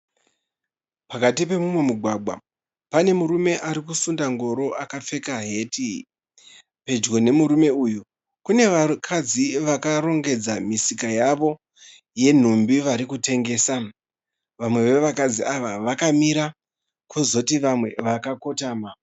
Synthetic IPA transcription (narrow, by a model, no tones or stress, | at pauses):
pakatipe̞mumwe̞muɡʱwaɡʱwa̰ | pane̞muɾume̞ʔaɾikusundaŋɡo̞ɾo̞ʔakap͡fe̞kaɦe̞ːtʰi | pe̞d͡ʒɡo̞ne̞muɾume̞uju | kune̞ʋakʰad͡ziʋakaɾo̞ŋɡe̞d͡zamisikajaʋo̞ | je̞n̤umbiʋaɾikute̞ŋɡe̞ːsa | ʋamwe̞ʋe̞ʋakad͡ziaʋaʋakamiɾa | kʰuzo̞tiʋamwe̞ʋakako̞taːma